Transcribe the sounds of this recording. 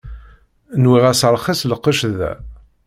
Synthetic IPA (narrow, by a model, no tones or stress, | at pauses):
nwiʁæsəɾˤχisləqːəʃðæ̰